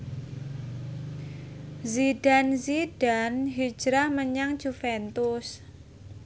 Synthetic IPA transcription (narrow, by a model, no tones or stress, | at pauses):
ziɖ̥anzid̥anɦi̥d͡ʒ̥ɾahməɲaŋd͡ʒ̥ufɛnt̪ʊs